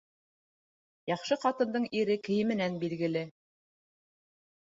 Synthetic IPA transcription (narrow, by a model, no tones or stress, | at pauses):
jɑχʃɤqɑt̪ɤ̆nd̪ɤɴiɾɘkɘ̆jɘmɘ̆nænbilɡɘ̆lɘ